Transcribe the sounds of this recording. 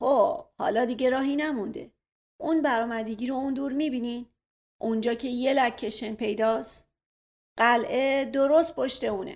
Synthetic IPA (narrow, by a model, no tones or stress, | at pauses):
hohɒ̰ːlɒːd̪iɟe̞ɾɒːɦinæmund̪e̞̰ | ʔunbæɾɒːmæd̪eɟiːɾo̞und̪uːɾmibinin | ʔund͡ʒɒːcʰe̞je̞læcʰːe̞ʃenpʰe̞jd̪ɒːs | ɢ̥ælʔed̪o̞ɾo̞st̪̚pʰoʃt̪euːnḛ